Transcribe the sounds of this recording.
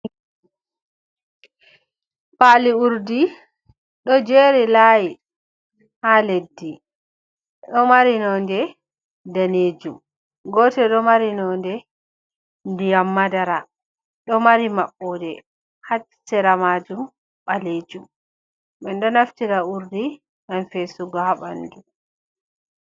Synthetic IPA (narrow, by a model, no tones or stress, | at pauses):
paliuɾdi | ɗɔd͡ʒeːɾilaji | haledːi | ɗɔmaɾinɔndɛ | daneːd͡ʒum | ɡɔtɛɗɔmaɾinɔndɛ | ndijamːadaɾa | ɗɔmaɾimaɓːɔdɛ | hat͡ʃsɛɾamad͡ʒum | ɓaled͡ʒum | ɓɛndɔnaftiɾauɾdi | ɡanfesuɡɔhaɓa̰ndu